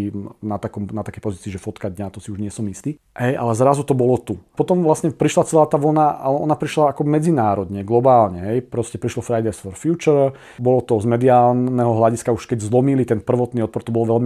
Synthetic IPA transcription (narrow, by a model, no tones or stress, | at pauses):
nat̪akɔmnat̪akɛjpɔziːt͡siːʒɛfɔt̪kad̪ɲat̪ɔsiuʒɲɪɛsɔmist̪iː | ɦɛjʔa̰lɛzɾazut̪ɔbɔlɔt̪upɔt̪ɔmʋlasɲɛpɾiʃlat͡sɛlaːt̪aːʋl̩naʔa̰lɛɔnapɾiʃlaːkɔmɛd͡zinaːɾɔd̪ɲɛɡlɔbaːlɲɛɦɛjpɾɔscɛpɾiʃlɔfɾajd̪ajsfɔɾfjuːt͡ʃɔɾ | bɔlɔt̪ɔzmɛd̪iaːlnɛɦɔɦlaɟiskauʃkɛɟzlɔmilit̪ɛnpr̩ʋɔt̪niːɔt̪̚pɔɾt̪ɔbɔlʋɛlmi